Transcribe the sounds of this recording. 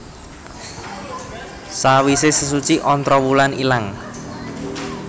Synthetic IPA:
sawisɪsəs̬ut͡ʃiʔɔnt̪ɾɔwulanilaŋ

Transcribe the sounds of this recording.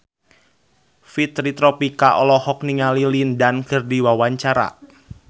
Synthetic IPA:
fit̪ɾit̪ɾɔpikaʔɔlɔhɔk̚niŋalilindankərdiwawaɲt͡ʃaɾa̰

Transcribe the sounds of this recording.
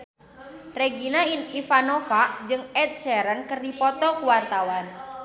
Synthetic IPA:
reɡinainifanɔfad͡ʒɨŋɛt̪̚sɛɾənkərdipɔt̪ɔkuwart̪awan

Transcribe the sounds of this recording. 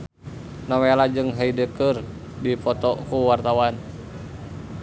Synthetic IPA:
nawelad͡ʒɨŋɦaidəkɨr | dipɔt̪ɔkuwart̪awan

